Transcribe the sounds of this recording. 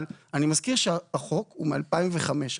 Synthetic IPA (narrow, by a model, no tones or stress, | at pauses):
lanimazkiʁʃeaaχo̞kumea̰lpaimveχame̞ʃ